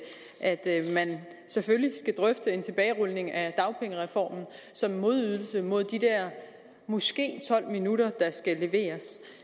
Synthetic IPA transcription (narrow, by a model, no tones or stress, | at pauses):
ʔæd̥mæn | sefølisɡ̥æd̥ʁœfd̥əe̝nt͡sʰe̝b̥ɛːɪʁɔlne̝ŋæd̥ɑ̈ʊpʰeŋəʁɛfɒ̰ːmn̩ | sɒ̽mːo̝ð̞ˠyð̞ˠl̩səmo̝ð̞̰ˠd̥id̥æɐ̰ | mɔsɡ̥e̝̰ːt͡sʰɒ̽l̰minuɾ̥ɐd̥ɑ̈sɡ̥æle̝ʋe̝̰ːɐs